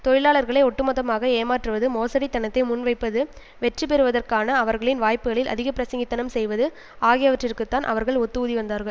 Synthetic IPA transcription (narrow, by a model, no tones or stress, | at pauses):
t̪ɔɻɪlaːɭɐɾɣɐɭɐɪɔʈːɯmɐðɐmaːɣɐeːmaːʈrɯʋɐðɯmoːsɐɽit̪ːɐnɐt̪ːɐɪmʊnʋɐɪpːɐðɯ | ʋɛʈrip̬ɛɾɯʋɐðɐrkaːnɐːʋɐɾɣɐɭɪnʋaːjpɯɣɐɭɪlʔɐ̰ðɪɣɐpɪɾɐsɐŋɡɪt̪ːɐnɐmsɛjʋɐðɯ | aːɣɪjɐʋɐʈrɪrkɯt̪ːaːnʔɐ̰ʋɐɾɣɐɭɔt̪ːɯðiʋɐnd̪aːɾɣɐɭ